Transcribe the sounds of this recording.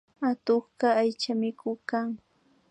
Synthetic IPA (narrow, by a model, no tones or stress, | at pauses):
at̪oχɢɑajt͡ʃamɪkʊkaŋ